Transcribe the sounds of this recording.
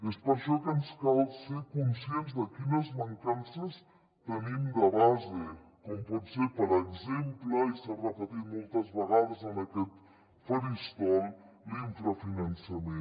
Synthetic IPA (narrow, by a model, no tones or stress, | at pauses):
espəɾʃɔkənskalˠseɾkunsienzðəkinəzməŋkansəs | t̪ənimd̪əβazekɔmpɔt̪seɾpəɾəɡzempləisarəpət̪it̪mɔlˠt̪əzβəɣaðəzənəkɛt̪ | fəɾist̪ɔl | iɱfɾəfinənsəme